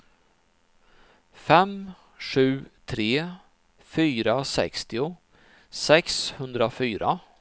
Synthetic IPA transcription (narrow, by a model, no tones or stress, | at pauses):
fɛm | ʂʉ̟ːt̪ʰɾeː | fyːɾasɛ̰kst̪ɪʊ | sɛkshɵnd̪ɾafyːɾa̰